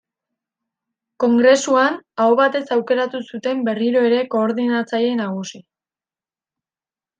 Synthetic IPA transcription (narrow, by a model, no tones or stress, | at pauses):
ko̞ŋɡɾe̞suanaoβat̪e̞sawke̞ɾat̪usut̪e̞mbe̞riɾo̞e̞ɾe̞ko̞ːɾðinat͡saje̞naɣ̞usi